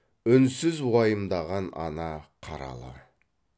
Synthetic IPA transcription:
ʏnsɪzwɑjəmd̪ɑʁɑnɑ̰nɑqʰɑɾɑ̰lˠɑ̰

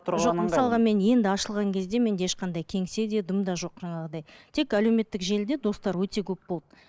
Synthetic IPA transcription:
ʒo̞qməsɑlˠʁɑme̞nje̞nd̪ɪɑʃəlˠʁɑŋkʲʰe̞zd̪e̞me̞neʃqɑnd̪ɑjkʲʰe̞ŋse̞d̪e̞d̪əmd̪ɑʒo̞qʒ̥ɑɴɑʁəd̪ɑjt̪ʰe̞kælewme̞t̪ːɪkʒe̞ld̪e̞d̪o̞st̪ɑɾwɵt̪e̞kʲʰɵp̚bod̪ə

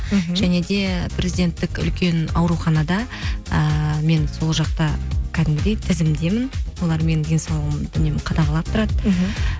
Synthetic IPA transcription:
ʒ̥æne̞d̪e̞pʰɾʲʔezid̪ʲe̞nt̪ːɪkʏ̰lkʲʰe̞nɑwɾuχɑnɑd̪ɑəme̞nso̞lˠʒɑq̚t̪ɑkʲʰæd̪ɪmɡʲɪd̪et̪ʰɪzɪmd̪e̞mɪnwolˠɑɾme̞nd̪e̞nsɑwlˠəʁmd̪ʏne̞mɪqʰɑd̪ɑʁɑlˠɑp̚t̪ʰʊɾɑd̪ə

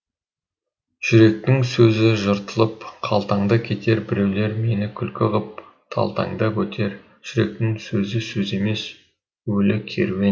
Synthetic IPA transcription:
ʒ̥ʏɾe̞k̚t̪ɪŋsɵzɪʒəɾt̪əlˠəpqʰɑlˠt̪ɑɴd̪əkʲʰe̞t̪e̞ɾbɪɾe̞wle̞ɾme̞nɪkʲʰʏlkʲɪʁəp̚ | t̪ʰɑ̰lˠt̪ɑ̰ŋd̪əwɵt̪ʰe̞ɾ | ʒ̥ʏɾe̞k̚t̪ɪŋsɵzɪsɵze̞me̞s | wɵlɪkʲʰe̞̰ɾme

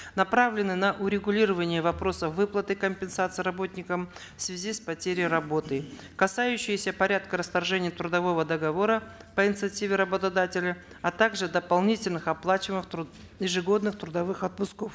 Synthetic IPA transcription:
nɐpɾavlʲɪnɨnɐʔʊɾʲɪɡʊlʲiɾəvənʲɪjəvɐpɾo̞səfvɨplˠət̪ɨkəmʲpʲɪnsat̪sɨjɾɐbo̞t̪ʲnʲɪkəmfsvʲɪzʲispɐtʲeɾʲɪjɾɐbo̞t̪ɨ | kɐsajʉɕːɪjɪsʲəpɐɾʲat̪kəɾəst̪ɐrʐɛnʲɪjət̪ɾʊd̪ɐvo̞vəd̪əɡɐvo̞ɾəpəɪnʲɪt̪sɨɐtʲivʲɪɾəbət̪ɐd̪atʲɪlʲɪ | ɐt̪aɡʐɨd̪əpɐlˠnʲitʲɪlʲnɨxɐplˠat͡ɕɪmɨxt̪ɾʊ | jɪʐɨɡo̞d̪nɨxt̪ɾʊd̪ɐvɨxɐt̪̚pʊskof

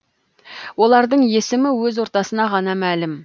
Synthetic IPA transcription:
wo̞lˠɑɾd̪əɴje̞sɪmɪwɵzwo̞ɾt̪ɑsənɑʁɑnɑmælɪm

